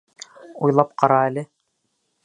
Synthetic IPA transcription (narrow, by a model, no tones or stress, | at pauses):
ujlˠɑp̚qɑɾɑælɘ